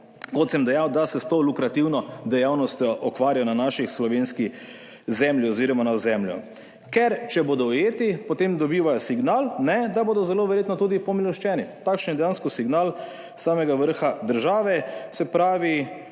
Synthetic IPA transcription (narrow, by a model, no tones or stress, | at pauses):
kɔt̪sɛmd̪ɛjawd̪asɛst̪oːlukɾat̪iwnɔd̪ɛjawnɔst̪jɔʔɔkʋaːɾʲjajɔnanaːʃixslɔʋeːnski | zɛmljiɔziːɾɔmanazɛmljɔ̰ | kɛɾt͡ʃɛboːd̪ɔjeːt̪ipɔt̪emd̪ɔbiːʋajɔsiɡnaːlnɛd̪aboːd̪ɔzɛloːʋɛɾjeːt̪nɔt̪uːd̪ipɔmilɔʃt͡ʃɛːnit̪akʃənjɛd̪ɛjaːnskɔsiɡnal | saːmɛɡaʋəɾxad̪əɾʒaːʋɛsɛpɾaːʋi